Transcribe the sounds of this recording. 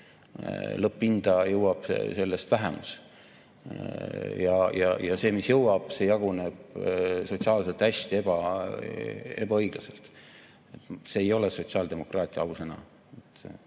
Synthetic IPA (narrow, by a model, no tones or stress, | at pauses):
lɤpˑːind̪̥ɑjɤwɑb̥se̞lːe̞st̪væɦɛmṵs | jɑjɑ̰jɑse̞ːmisjɤwɑb̥se̞jɑɡ̥une̞b̥so̞t̪siɑːlselt̪æsʲt̪ie̞b̥ɑ | e̞̰bɑɤjɡ̥lɑse̞lt̪ | et̪seːjo̞leso̞t̪ʲsiɑːld̪̥e̞mo̞krɑːt̪ʲˑiɑɑuse̞nɑ̰ | et̪